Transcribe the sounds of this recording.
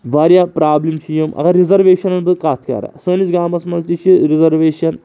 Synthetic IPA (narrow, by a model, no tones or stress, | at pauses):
ʋaɾjapɾaːblimt͡ɕʰijimɐ̰ɡaɾizɐɾʋeːɕɐnɐnd̪ɨkaːt̪ʰkʲa̰ɾa̰səːnit͡sɡaːmɐsmɐzt̪iɕiɾizɐɾʋeːɕɐn